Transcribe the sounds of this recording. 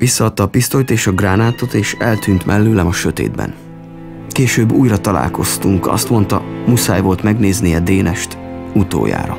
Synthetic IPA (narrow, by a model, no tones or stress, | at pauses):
ʋisːɒːt̪ːɒːpist̪ojt̪eːʃɒɡraːnaːt̪o̞t̪eːʃɛlt̪yːnt̪mʔɛlːøːlɛmɒʃø̞t̪ḛːd̪̚bɛ̰n | keːʃøːbːuːjrɒt̪ɒla̰ːlko̞st̪uŋkɒ̰st̪mo̞nt̪ɒmusa̰ːjvo̞lt̪mɛɡneːzniɛd̪eːnɛʃt̪ut̪o̰ːja̰ːɾɒ̰